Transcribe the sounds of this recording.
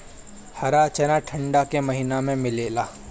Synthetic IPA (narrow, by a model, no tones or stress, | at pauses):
hɐɾat͡ʃɐnaʈʰɐ̃ɳɖakemɐɦinamẽmɪleːlaː